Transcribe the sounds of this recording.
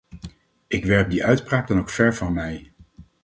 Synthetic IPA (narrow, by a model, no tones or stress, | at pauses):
ʔɪkʋɛɹp̚diʔœɥtpraːk̚dɑnowkfɛɹvɑnmɛj